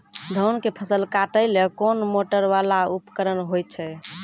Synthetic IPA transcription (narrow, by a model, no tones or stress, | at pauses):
d̪ʱənkepʰəsəlkaʈəjlekonmoʈəɾʋalaupəkəɾənɦojt͡ʃʰɛ